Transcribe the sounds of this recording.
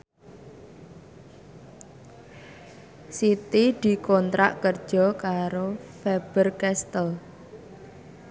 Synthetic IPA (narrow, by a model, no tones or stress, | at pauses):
sit̪id̪̥i̤kɔnt̪ɾa̰ʔkərd̥ʒ̥ɔ̤kaɾofɛb̥ərkɛst̪əl